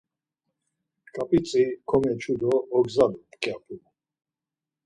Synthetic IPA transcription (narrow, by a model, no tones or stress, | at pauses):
kʼapʼit͡sʼikʰɔmɛt͡ʃʰud̪ɔːɡzad̪upkʼjapʰʼu